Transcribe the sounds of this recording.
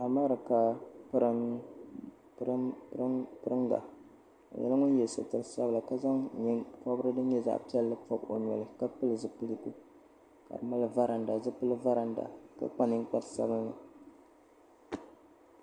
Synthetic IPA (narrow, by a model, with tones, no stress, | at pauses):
a˨maː˦ɾɨ˨ka˨pɾ | ɾɾpɨ˦ɾɨ˦ŋɡa̰˨ | a̰˨jɛ̰˦lɨ˦ŋʊ˦n˦jɛ˨lsɨ̰˨tɨ˨ɾsa˦bɨ˦la˨ka˦za˦ŋɲi˦pɔ˦bɾɨ˦dɨ˦n˦ɲɛ˦za̰˦ʔpi˦ɛ˦lːɨ˦pɔ˦bo˨ɲɛ̰˨lɨ˨˦ka˦pɨ˦lɨ˨zɨ˦pɨ˦li˦˨ku˦ | ka̰˨ɾɨ˨ma˦lɨ˦va˦ɾa˨nda˨zɨ˦pɨ˦lɨ˦va˦ɾa˨nda̰˨ka̰˦k͡pa˦nɨ˦ŋ˦k͡pa˦tsa̰˦bɨ˦lnɨ˨